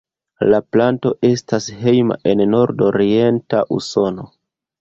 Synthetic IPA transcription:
laplanto̞ʔe̞stashe̞jma̰ʔe̞nːo̞ɾdo̞ɾie̞nta̰ʔuso̞no̞

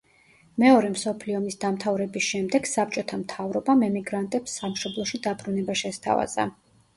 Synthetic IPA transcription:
mɛɔɾɛmsɔpʰliɔmisd̪amt̪ʰavɾɛbisʃɛmd̪ɛɡ̥sap̚t͡ʃʼɔt̪ʰamt̪ʰavɾɔbamɛmiɡɾant̪ʼɛpsːamʃɔblˠɔʃid̪abɾunɛbaʃɛst̪ʰa̰va̰z̥a̰

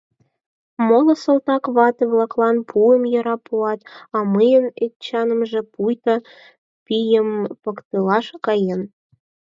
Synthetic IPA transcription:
molɤ̆sɤ̆lt̪ɑkβɑt̪ĕβlɑklɑnpʰuəmjɤ̆ɾɑpuɑt̪ɑməjənett͡ɕɑnə̆mʒĕpujt̪ɑ | pijəmpɤkt̪ɯlɑʃkɑjen

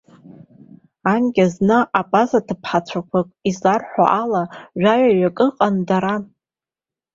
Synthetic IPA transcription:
anɡʲʼaznɨʔapʼazatʰɨpʰħat͡ɕʷʰakʷʰakʷʼizarħʷa̰ʔalaʒᶣaɥaɥakʼɨqʼandaɾan

